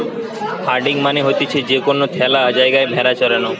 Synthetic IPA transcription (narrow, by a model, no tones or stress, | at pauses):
haɾɖɪ̃ŋɡmaniɦot̪it͡ʃʰed͡ʒekonːot̪ʰɛlaəd͡ʒajɡajbʱɦɛɾat͡ʃəɾəno